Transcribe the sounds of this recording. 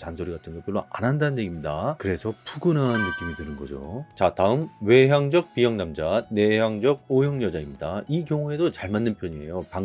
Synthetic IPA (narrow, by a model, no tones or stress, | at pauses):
t͡ɕansʰoɾiɡatʰɯnɡʌp͈ʰoɭːoʔa̰nɦandanɯnjeɡimɲidakɯɾe̞sʰʌpuɡɯnɦaːnːɯk͈imitɯnɯnɡʌ̰d͡ʑo̰t͡ɕataɯmwe̞ɦjaŋd͡ʑʌk̚p͈iɦjʌŋnamd͡ʑane̞ɦjaŋd͡ʑʌɡ̚ojʌŋjʌd͡ʑaimɲidaikjʌŋue̞dot͡ɕaɭmanːɯnpʰjʌɲie̞̰jopaŋ